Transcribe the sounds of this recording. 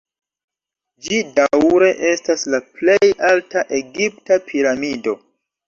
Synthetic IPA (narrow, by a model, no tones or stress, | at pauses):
d͡ʒidawɾe̞ʔe̞staslaple̞jaltaʔe̞ɡip̚tapʰiɾamido̞